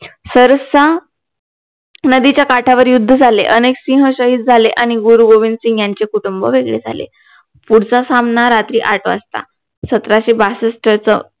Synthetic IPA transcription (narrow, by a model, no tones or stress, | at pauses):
səɾəsa | nəd̪it͡ɕjakaʈʰaʋəɾjud̪ʱːəd͡zʱaleʔəneksĩɦəɕəɦiːt̪̚d͡zʱaleʔaɽ̃iɡuɾuɡoʋinsĩŋɡjaɲt͡ɕekuʈumbəʋeɡɭḛd͡zʱa̰lḛ | puɽt͡sasamnaɾat̪ɾiːʔaʈʰə̰əst̪a̰ | sət̪ɾaɕebasəsʈəɾt͡sə